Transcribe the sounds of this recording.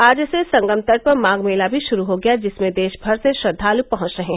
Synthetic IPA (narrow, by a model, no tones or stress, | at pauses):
aːd͡ʒsesɐ̃ŋɡəmt̪ɐɽ̚pɐɾmãːɡmeːlabʱiʃʊɾuɦoɡɐjad͡ʒɪsmẽd̪eːʃbʱɐɾseʃɾɐd̪ʱːaːlupɐɦʊ̃t͡ʃɾɐɦeɦ